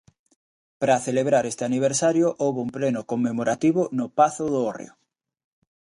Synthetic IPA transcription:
pɾaθeleβ̞ɾaɾest̪eaniβ̞eɾsaɾjoʔowβoumplenokomːemoɾʔat̪iβonʊpaθʊðoorḛo

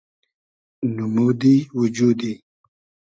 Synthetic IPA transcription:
numud̪iwud͡ʒuːd̪i

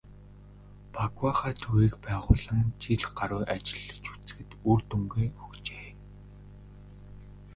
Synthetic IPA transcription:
pʰakwaχaːt̪ʰuɾiːkpæːʁʊːɮə̆ŋt͡ɕiɮɢ̥aɾʊːʔat͡ɕɪ̆ɮːə̆t͡ɕu̥t͡sɘ̥̆xɘ̆t̪urt̪ɵŋɡeːɵxt͡ɕeː

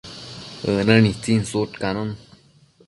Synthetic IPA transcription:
ənənit͡sinsoʈkanon

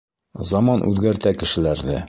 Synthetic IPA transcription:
zɒmɑnʔʉ̰ðɡæɾt̪ækɘ̆ʃɘ̆læɾðɘ

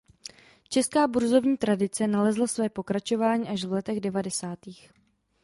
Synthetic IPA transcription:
t͡ʃɛskaːbuɾzo̞vɲiːt̪ɾadɪt͡sɛnalɛzlasvɛːpo̞kɾat͡ʃo̞vaːɲiːʔaʃvlɛt̪ɛɣdɛvadɛsaːt̪iːx

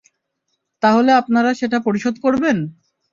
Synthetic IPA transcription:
t̪aɦoleapnaɾaʃeʈapoɾiʃod̪koɾben

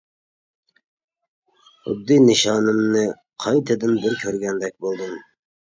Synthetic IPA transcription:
ʊ̰d̪ːɨnɨʃɑːnɨmnɨ | qʰɑjt̪ʰɨd̪ɨnbɪɾkʲʰøɾɡʲɛnd̪ɛk̚ʲbolˠd̪ɨm

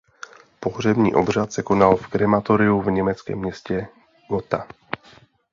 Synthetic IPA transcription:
po̞r̝ɛbɲḭːʔo̞br̝at̪sɛko̞nalfkɾɛmat̪oɾɪuvɲɛmɛt͡skɛ̰ːmːɲɛscɛ | ɡ̥ot̪a

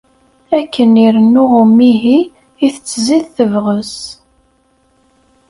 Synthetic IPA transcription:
ækːəniɾənːʊʁʊmiɦi | iθət͡sːəziðθəvʁəs

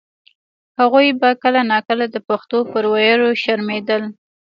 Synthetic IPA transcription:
haɣujbakəlanɑkəlad̪əpaxt̪opəɾwajəɾoʃaɾmed̪əl

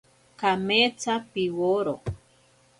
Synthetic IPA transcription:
kamet͡sapiwoɾo

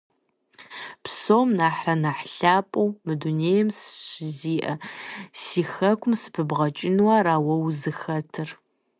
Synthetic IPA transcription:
psoːmnaːħrɐnaħɬaːpʼɐwmɨduneːjɛmsɕɪziːʔɐsiːxɐkʷʊmsɨ̥pʰɨbʁɐt͡ʃʼɪnwɐɾaːwɐwzɨxɐtʰɨr

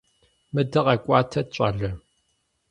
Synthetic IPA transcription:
mɨdɐʁɐkʷʼɑːtʰɐɕʼɐ̰ɮɐ

